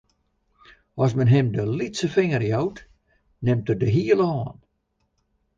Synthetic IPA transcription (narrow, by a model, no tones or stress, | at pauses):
ɔsmənɦɪmdəlitsəfɪŋərjowt | nɛmtədəɦiːəlˠɔːn